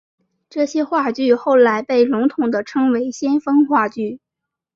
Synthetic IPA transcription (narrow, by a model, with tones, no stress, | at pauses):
ʈ͡ʂɤ˥˩ɕjɛ˥xwa˥˧t͡ɕy˥˧xo˥˩ʊla˧˥ɪpe˥˩ɪlʊ˧˥ŋt̪ʰʊ˨˩ŋd̪ə˦ʈ͡ʂʰɤ˥ŋwe˧˥ɪɕjɛ˥nfɤ˥ŋxwa˥˧t͡ɕy˥˩